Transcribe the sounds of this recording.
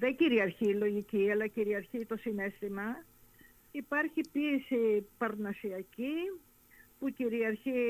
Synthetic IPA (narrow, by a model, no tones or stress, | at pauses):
ðe̞ciɾiɐɾçilo̞ʝiciɐlɐciɾiɐɾçit̪o̞sine̞st̪imɐ | ipɐɾçipiesipɐɾnɐsiɐci | puciɾiɐɾçi